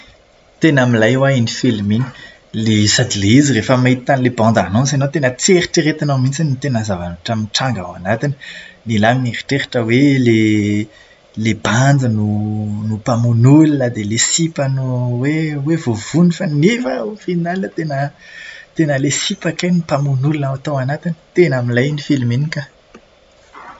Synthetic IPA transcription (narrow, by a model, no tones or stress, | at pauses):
t̪enəmilajwainifeliminə̥ | lesad̪ileizirefəmajt̪i̥t̪anilebɑ̃nd̪anɔ̃s̬anowt̪enət͡seɾiʈ͡ʂiɾet̪anamint͡sanit̪enəzavanʈ͡ʂaminʈ͡ʂãŋɡa̰wa̰nat̪ini̥nilaminiɾi̥ʈ͡ʂeɾiʈ͡ʂəwele | leband͡zənunupamunulinəd̪elesipənuwewevov̥unifanefəufinalinət̪enət̪enəlesipakajnupamunulinaat̪oanat̪ini̥t̪enəmilajnifilminika